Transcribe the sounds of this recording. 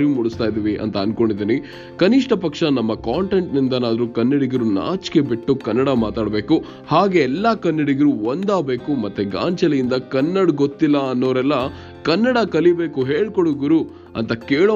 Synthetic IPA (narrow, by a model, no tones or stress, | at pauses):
ɾimuɽust̪aːjd̪iːʋiʔɐ̰nt̪ɐːnkoɳɖid̪iːni | kɐniʂʈɐpɐkʂɐnɐmːɐkaːɳʈe̞ɳʈnind̪ɐnaːd̪ɐɾukɐnːɐɽiɡɐɾuna̰ːt͡ʃke̞biʈːukɐnːɐɽɐmaːt̪aːɽbe̞ːku | haːɡe̞ːlːɐkɐnːɐɽiɡɐɾuond̪aːbe̞ːkumɐt̪ːeɡa̰ːɲt͡ʃɐlɐjind̪ɐkɐnːɐɽɡot̪ːilːɐːnːoːɐɾɛlːɐ | kɐnːɐɽɐkɐlibe̞ːkuɦeːɭkoɽuɡuɾu | ɐ̰nt̪ɐkeːɭo